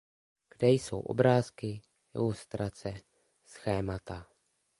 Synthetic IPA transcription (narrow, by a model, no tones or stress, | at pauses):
ɡ̥dɛjso̞̰wʔo̞̰bɾaːskɪ | ʔɪ̰lust̪ɾat͡sɛ | sxɛːmat̪a